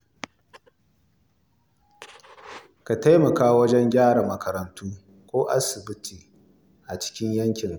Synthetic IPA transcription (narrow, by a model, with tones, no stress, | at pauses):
ka˨ta˦jmɐ˨kaː˦wɐ˦d͡ʒɛ˦ŋɡʲaː˦ɽa˨mɐ˨kʰɐ˨ɾɐ˨ntuː˦ | kʷoː˦ʔa̰˦sɪ˨bɪ˦tʰiː˨ | ʔa˨t͡ʃɪ̥˦kʲɪ˦ɲjɐ˦ŋkʲɪ˨ŋ